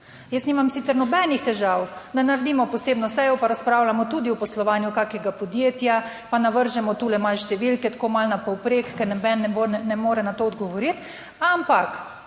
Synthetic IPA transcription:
jəsniːmamsit̪sɛɾnɔbɛnixt̪ɛʒawd̪anaɾed̪iːmɔpɔseːbnɔsɛjɔpaɾaspɾaːwlamɔt̪uːd̪iwpɔslɔʋaːnjukaːkɛɡapɔd̪jeːt̪ja | panaʋəɾʒɛmɔt̪uːlɛmalʃt̪ɛʋilkɛt̪ḁkoːmalnapɔwpɾeːkkːɛɾnɛbɛnːɛbonɛmoːɾɛnat̪oːɔd̪ɡɔʋɔɾit̪ | ampak

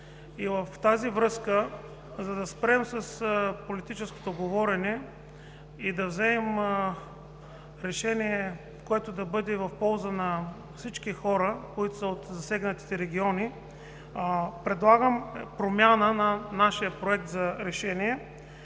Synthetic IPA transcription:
ivəft̪azivɾɤskə | zɐd̪ɐspɾɛmsɐspolit̪it͡ʃɛsko̥t̪oɡovɔɾɛnɛ | id̪ɐvzɛɛm | ɾɛʃɛniɛ | koɛt̪od̪ɐbɤd̪ɛvɐfpɔlˠzənɐ | fsit͡ʃkixɔɾəkoit̪osɐot̪zɐsɛɡnət̪i̥t̪ɛɾɛɡʲiɔni | pɾɛd̪lˠaɡəmpɾomʲjanənɐnaʃijəpɾoɛk̚t̪zɐɾɛʃɛniɛ

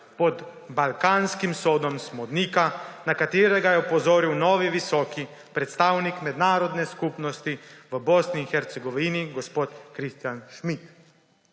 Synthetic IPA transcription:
pɔd̪ | balkaːnskimsoːd̪ɔmsmɔd̪niːkanakat̪eːɾɛɡajɛupɔzoːɾiwnɔːʋiʋisɔːki | pɾɛt̪st̪aːwnikmɛd̪naːɾɔd̪nɛskupnɔst̪iʋəbɔsniːxɛɾt̪sɛɡɔʋiniɡɔspoːt̪kɾist̪janʃmit̪

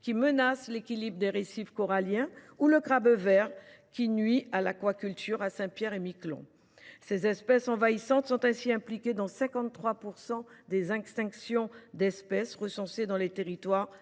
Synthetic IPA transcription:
kʲimənaslekʲilibʁəd̪eʁesifkɔʁaljɛ̃ | uləɡʁabvɛʁkʲinɥialakwakʲylt̪ʰyʁasɛ̃pjɛʁemiklɔ̰̃ | sezɛspɛsɑ̃vaisɑ̃t̪sɔ̃t̪ɛ̃siɛ̃plikʲed̪ɑ̃sɛ̃kɑ̃t̪t̪ːχwapuʁsɑ̃d̪ezɛ̃kst̪ɛ̃ksjɔ̃d̪ɛspɛsʁəsɑ̃sed̪ɑ̃let̪eʁit̪waʁ

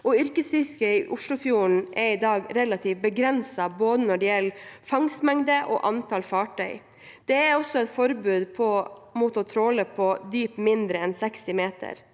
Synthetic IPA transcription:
ɔʏɾkəsfɪskəɪʔʊʂɭʊfjuːɳ̩ʔɛɾɪd̪ɑːɡɾɛlɑt̪ʰiːʋbəɡɾɛnsɑboːd̪ənɔɖɛjɛlfɑŋsmɛŋd̪əʔɔ̰ːʔɑnt̪ʰɑlfɑːʈʰœʏ | d̪̥ɛæɾɔsːɔɛt̪fɔɾbʉːd̪pʰɔmʊt̪ɔt̪ʰɾoːləpʰɔd̪yːpmɪnd̪ɾəɛnsɛkst̪ɪmeːt̪ʰə̰ɾ

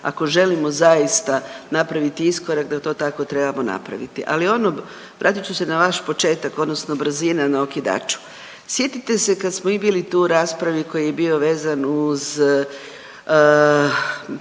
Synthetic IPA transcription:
a̰ko̞ʒe̞limo̞zajist̪anapɾaʋit̪iisko̞ɾakd̪at̪o̞ːt̪ako̞t̪ɾe̞bamona̰pɾa̰ʋḭt̪iʔa̰lio̞no | ʋɾʔa̰ːt̪it͡ɕuse̞naʋaʃpo̞t͡ʃe̞ːt̪ako̞d̪nosnobr̩zinanao̞kid̪a̰ːt͡ʃu̥ | sje̞t̪it̪e̞se̞kad̪smoibilit̪uɾaːspɾaʋiko̞jijebio̞ʋe̞ːzanuz

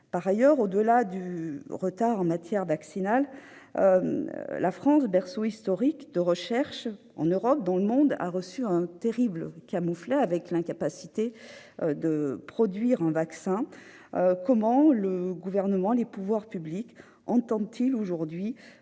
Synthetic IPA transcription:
paʁajœʁod̪əlad̪yʁət̪aʁɑ̃mat̪jɛʁvaksinal | lʔafχɑ̃sbɛʁsoist̪ɔʁikd̪əʁəʃɛʁʃ | ɑ̰̃nøʁɔp̚d̪ɑ̃ləmɔ̃d̪a̰ʁəsyɛ̃t̪eʁiblkamuflɛavɛklɛ̃kapasi̥t̪e | d̪əpχɔd̪ɥiʁɛ̃vaksɛ̃ | kɔmɑ̃ləɡuvɛʁnəmɑ̃lepuvwaʁpyblik | ɑ̃t̪ɑ̃d̪t̪ʰiloʒuʁd̪ɥi

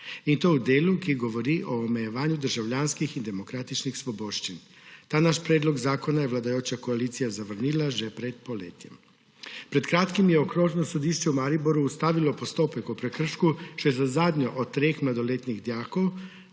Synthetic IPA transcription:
int̪oud̪eːlukiɡoʋoɾiʔoːmejeʋaːɲud̪əɾʒawʎaːnskixind̪emokɾaːt̪it͡ʃnixsʋoboːʃt͡ʃin | t̪aːnaʃpɾeːd̪loɡzaːkonajɛʋlad̪ajoːt͡ʃakoaliːt̪sijazaʋr̩nilaʒɛpɾɛt̪̚poleːt̪jɛ̰m | pɾɛt̪kɾaːt̪kimjɛokɾoːʒnosod̪iːʃt͡ʃɛumaɾiboɾuːst̪aːʋilopost̪oːpɛkupɾɛkr̩ʃkut͡ʃjzazaːd̪ɲɔʔot̪t̪ːɾeːxmlad̪oleːt̪niɣd̪jaːkow

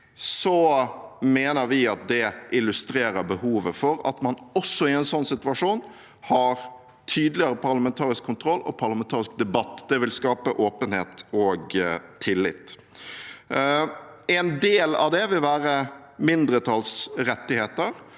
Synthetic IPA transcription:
sɔ | meːnəɾʋɪɑt̪̚d̪ɛʔɪlːʉst̪ɾeːɾəɾbəhuːʋəfɔɾɑ̰t̪mɑnɔsːɔɪɛnsɔnːsɪt̪ʉɑʂuːn | hɑɾ | t̪ʰyːd̪lɪəɾəpʰɑɾləmɛnt̪ʰɑːɾɪskʰːʊnt̪ʰɾɔlːɔ̰pʰɑɾləɑmɛnt̪ʰɑːɾɪsk̚d̪ɛbɑt̪ːd̪̥ɛʋɪlskɑːpəʔoːpənheːt̪ɔɡt̪ʰɪlːɪ̰t̪ | ɛnd̪eːlɑ̰ʋd̪ɛʋɪlʋæːɾə | mɪnd̪ɾət̪ʰɑlsɾɛt̪ːɪheːt̪əɾ

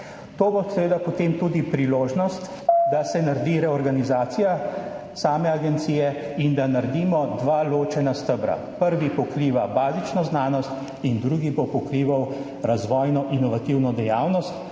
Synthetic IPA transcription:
t̪oːbosɛʋeːd̪apɔt̪emt̪ud̪ipɾiloːʒnɔst̪ | d̪asɛnaɾd̪iɾɛɔɾɡanizaːt̪sijasaːmɛaɡɛnt̪siːjɛind̪anaɾd̪iːmɔd̪ʋaloːt͡ʃɛnast̪əbɾa̰ | pəɾʋipɔkɾiːʋabaːzit͡ʃnɔznaːnɔst̪ | ind̪ɾuɡibopɔkɾiːʋaw | ɾazʋɔːjnɔʔinɔʋat̪iwnɔd̪ɛjaːwnɔst̪

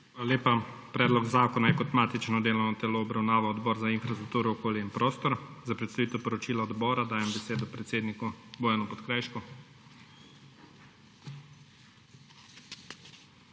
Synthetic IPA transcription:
xalaleːpa | pɾɛːd̪lɔɡzaːkɔnajɛkɔt̪maːt̪it͡ʃnɔd̪eːlɔwnɔt̪ɛloːbɾawnaːʋaɔd̪bɔːɾzainfɾast̪ɾuk̚t̪uːɾɔɔkoːljinpɾoːst̪ɔɾzapɾɛt̪st̪aʋiːt̪ɛwpɔɾɔt͡ʃiːlaɔd̪bɔːɾad̪aːjɛmbɛseːd̪ɔpɾɛt̪seːd̪nikuboːjanɔpɔt̪kɾajʃkɔ

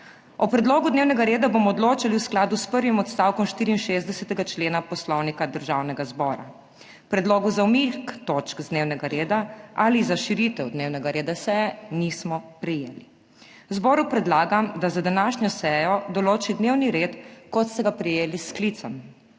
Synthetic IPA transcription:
ɔpɾɛd̪loːɡud̪neːwnɛɡaɾeːd̪abomɔːd̪loːt͡ʃaliwsklaːd̪uspəɾʋimɔt̪st̪aːwkɔmʃt̪iːɾiːnʃeːzd̪ɛsɛt̪ɛɡat͡ʃleːnapɔslɔwnikad̪əɾʒawnɛɡazbɔːɾa̰ | pɾɛd̪loːɡuzawmikt̪oːt͡ʃkzd̪neːwnɛɡaɾeːd̪aalizaʃiɾit̪ɛwd̪neːwnɛɡaɾeːd̪asɛjɛnismɔpɾɛjḛːli | wzbɔːɾupɾɛd̪laːɡamd̪azad̪anaːʃɲɔsɛːjɔd̪ɔloːt͡ʃid̪neːwniɾeːt̪kɔt̪st̪ɛɡapɾɛjeːlisklit̪sɔm

